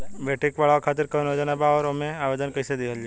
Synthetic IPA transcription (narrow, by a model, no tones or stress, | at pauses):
bʱeːʈikʋaɭakʰaːt̪ɪɾkɐnod͡ʒənɐbaɔːɾomẽaːʋeːd̪ənkɐɪsed̪eɦəld͡ʒe